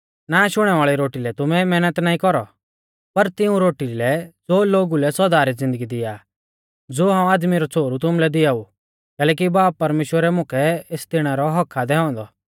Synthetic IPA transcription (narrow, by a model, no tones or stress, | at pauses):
naːʃʊɽ̃ɛʋaːɭiɾoːʈilɛt̪ʊmɛmɛːnət̪naːĩkɔɾɔ̰ | pɐɾt̪ɪũɾoːʈilɛd͡zoːloːɡulɛsɔːd̪aːɾid͡zɪ̃nd̪əɡid̪ɪja | d͡zoːɦãːũaːd̪miɾɔt͡sʰoːɾut̪ʊmlɛd̪ɪjaːu | kɛːlɛːk̬ibaːppːɐɾmeːʃwəɾɛmʊkʰɛeːst̪ɪɽ̃aɾɔɦɔkʰad̪ɛɦɔ̃ːnd̪ɔ